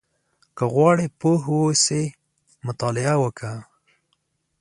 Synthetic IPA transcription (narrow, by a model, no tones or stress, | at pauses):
kəɣwɑɽepoɦwose | mʊt̪ɑlɪawəkʰa